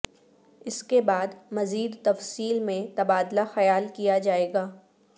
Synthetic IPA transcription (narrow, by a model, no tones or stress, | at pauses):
ɪskebaːd̪mɐziːd̪t̪ɐfsiːlmẽt̪ɐbaːd̪laxɐjaːlkijad͡ʒaːeːɡaː